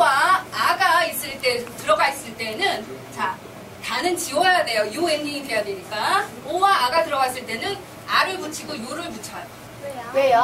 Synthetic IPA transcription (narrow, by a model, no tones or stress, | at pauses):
waːɡais͈ɯɭt͈e̞tɯɾʌɡais͈ɯɭt͈e̞nɯnt͡ɕa | tanɯnt͡ɕiwʌjade̞jojue̞nːiŋidwe̞jadweɲik͈a | owaːɡatɯɾʌɡas͈ɯɭt͈e̞nɯn | aɾɯɭput͡ɕʰiɡojoɾɯɭput͡ɕʰa | kwejo